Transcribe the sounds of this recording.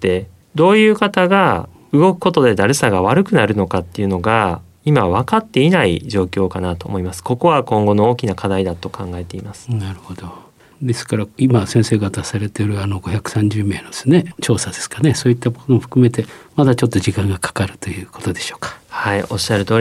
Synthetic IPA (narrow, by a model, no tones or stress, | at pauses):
t̪e̞ | d̪o̞ːjɯ̟ːkat̪aɡa | ɯ̟ɡo̞kɯ̟̥ko̞t̪o̞d̪e̞d̪aɾɯsaɡaβ̞aɾɯ̟kɯ̟naɾɯ̟no̞kat̪ːe̞iɯ̟no̞ɡa | imaβ̞akat̪ːe̞inaḭʑo̞ːkʲo̞ːkanat̪o̞̰ːmo̞imasɨ̥ko̞ko̞βakõ̞ŋɡo̞no̞oːkʲinakad̪aid̪at̪o̞kʰãŋɡae̞t̪e̞imasɨ̥naɾɯ̟ho̞d̪o̞ | d̪e̞sɨ̥kaɾaimasẽse̞ːɡat̪asaɾe̞t̪eɾɯ̟ano̞ɡo̞çakɯ̟̥sãɲd͡ʑɨːme̞ːnod̪̥esɨne̞t͡ɕo̞ːsad̪e̞sɨ̥kaneso̞ːit̪ːakot̪omoɸɯ̟̥kɯ̟me̞t̪e̞mad̪at͡ɕo̞t̪ːo̞ʑikãŋɡakʰḁkaɾɯ̟̥t̪o̞jɯ̟ːko̞̥t̪o̞d̪eɕo̞ːkḁhaio̞ɕːaɾɯt̪o̞ː